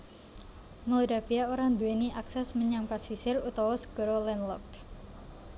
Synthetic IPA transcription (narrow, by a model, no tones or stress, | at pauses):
modafiaoɾaŋd̪ueniʔaksɛsməɲaŋpasisɪrut̪ɔwɔsə̥ɡ̥ɔɾolɛnlɔk̚t̪